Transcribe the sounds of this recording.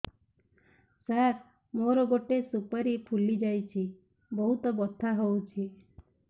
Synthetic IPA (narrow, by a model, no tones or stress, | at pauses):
saɾ | moɾɔɡoʈesupaɾipʰulid͡ʒajt͡ʃʰi | bɔɦut̪ɔbɔt̪ʰːaɦowt͡ʃʰi